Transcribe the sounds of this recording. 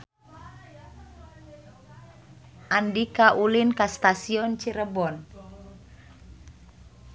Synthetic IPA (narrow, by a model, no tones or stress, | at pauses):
ʔandikaʔulinkast̪asiɔnt͡ʃiɾəbɔn